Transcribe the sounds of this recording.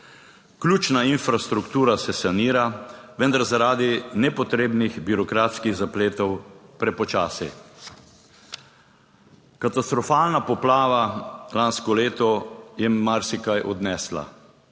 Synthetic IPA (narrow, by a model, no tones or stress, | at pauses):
klʲuːt͡ʃnainfɾast̪ɾukt̪uːɾasɛsaniːɾaʋɛnd̪aɾzaɾaːd̪inɛpɔt̪ɾeːbnixbiɾɔkɾaːt̪skiɣzapleːt̪ɔwpɾɛpɔt͡ʃaːsɛ̰ | kat̪ast̪ɾɔfaːlnapɔplaːʋalanskɔleːt̪ɔjɛmaɾsikajʔɔd̪nɛsla̰